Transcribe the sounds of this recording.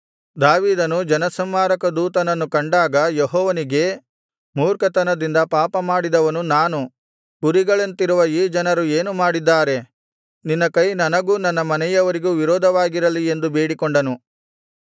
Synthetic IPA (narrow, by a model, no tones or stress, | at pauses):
d̪aːʋiːd̪ɐnud͡ʒɐnɐsɐmːaːɾɐkɐd̪uːt̪ɐnɐnːukɐɳɖaːɡɐjeɦɔːʋɐniɡe̞ | muːɾkɐt̪ɐnɐd̪ind̪ɐpaːpɐmaːɽid̪ɐʋɐnunaːnu | ɡuɾiɡɐɭent̪iɾuʋɐiːd͡ʒɐnɐɾue̞ːnumaːɽid̪ːaːɾe̞ | ninːɐkɐjnɐnɐɡuːnɐnːɐmɐnɛjɐʋɐɾiɡuːʋiɾɔːd̪ʱɐʋaːɡiɾɐlie̞nd̪ubeːɽikɔɳɖɐnu